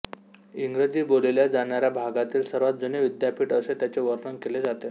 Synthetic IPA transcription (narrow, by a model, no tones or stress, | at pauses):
iŋɡɾed͡ʑiːboleljad͡zaɽaɾjabʱaɡat̪iːlsəɾʋat̪̚d͡zoneʋid̪japiːʈəset̪jat͡seʋəɾnəŋkeled͡zat̪e